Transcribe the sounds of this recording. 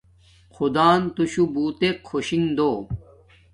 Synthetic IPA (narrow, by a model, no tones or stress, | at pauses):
kʰud̪aːnt̪uɕubuːt̪ekʰoɕiŋd̪oː